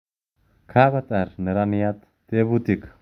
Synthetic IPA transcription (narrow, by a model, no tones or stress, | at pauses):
kʰaβat̪aɾnəɾanijat̪ | t̪eβut̪ik